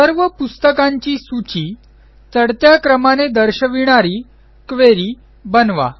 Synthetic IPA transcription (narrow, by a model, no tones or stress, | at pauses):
səɾʋəpust̪əkãɲt͡ɕiːsut͡ɕiː | t͡səɽt̪jakɾəmaned̪əɾɕəʋiɽ̃aɾiː | kʋeɾiː | bənʋa̰